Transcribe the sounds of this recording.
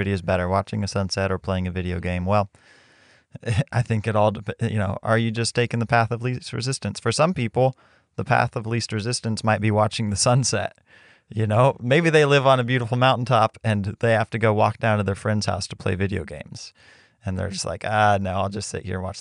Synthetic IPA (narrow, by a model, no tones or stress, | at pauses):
ɪɾioʊzbɛɾə˞wɑt͡ʃɪ̃ŋɨsʌ̃nsɛɾə˞pʰl̥eɪɪ̃ŋɨvɪɾioʊɡẽɪ̃mwɛlˠ | aɪθɪ̃ŋkɨɾɔlˠdpjɨ̰noʊʔə˞jɨd͡ʒʌstʰeɪkɪ̃ŋðəpʰæθʌvlist̚ɹɨ̰zɪstɨ̃nsfə˞sʌ̃mpipl̩ˠ | ðəpʰæ̰θʌvlist̚ɹɨzɪstɨ̃nsmaɪt̚b̥iwɑt͡ʃɪ̃ŋðɨsʌ̃nsɛ̰t̚ | jɨnoʊmeɪbiðeɪlɪvn̩ɨbjʉɾəfl̩ˠmãʊ̃ʔn̩tʰɑpɨ̃nðeɪhæftɨɡoʊwɔk̚d̥ãʊ̃ntɨðə˞fɹɛ̃ndz̥ha̰ʊstʰə̥pʰl̥ḛɪvɪɾio̰ʊɡḛ̃ɪ̃mz̥ | ɨ̃nðə̰˞d͡ʒʌstˡla̰ɪkʌnoʊaɪlˠd͡ʒʌstsɪ̰ʔ̚hḭɹə̃nwɑ̰t͡ʃ